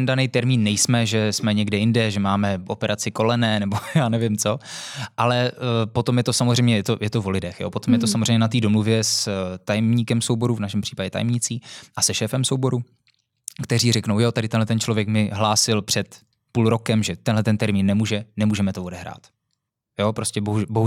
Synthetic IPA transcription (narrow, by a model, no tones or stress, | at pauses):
ɛndanɛjt̪ɛɾmiːnːɛjsmɛʒɛsmɛɲɛɡdɛjɪndɛʒɛmaːmɛʔo̞pɛɾʔat͡sɪko̞lɛnɛːnɛbo̞jaːnɛvjɪmt͡so̞ʔalɛpo̞t̪o̞mjɛt̪o̞samozrɛjmɲɛjɛt̪ojɛt̪ovo̞lɪdɛxjo̰po̞t̪omjɛt̪osamozɛjmɲɛnat̪iːdo̞mluvjɛst̪ajɛmɲiːkɛmso̞wbo̞ɾuvnaʃɛmpr̝̥iːpaɟɛt̪a̰jɛmɲɪt͡siːʔasɛʃɛːfɛmsowbo̞ɾu | kt̪ɛriːrɛknowjot̪adɪt̪ɛnlɛt̪ɛnt͡ʃlovjɛkmɪɦlaːsɪlpr̝̥ɛt̪ | puːlɾo̞kɛmʒɛt̪ɛnɦlɛt̪ɛnt̪ɛɾmiːnːɛmuːʒɛnɛmuːʒɛmɛt̪ovo̞dɛɦɾa̰ːt̪ | jo̞ːpɾoscɛboɦuboɦu